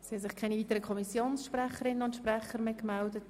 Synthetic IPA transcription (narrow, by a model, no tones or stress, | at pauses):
sihɑsɪχkʰaɪniviːtəɾəkʰɔmisjoːnsʃprɛχəɾɪnənʊntʃpɾɛχəɾmeːkmɛldət